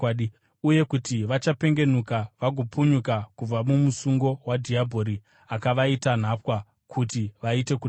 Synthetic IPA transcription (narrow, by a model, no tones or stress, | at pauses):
ɗ | uje̞kutiʋat͡ʃape̞ŋɡe̞n̤ukaʋaɡʱopuɲukakub͡vamumusuŋɡo̞wadʱiabʱo̞ɾi | akaʋaitan̤apwa | kʰutiʋaite̞ku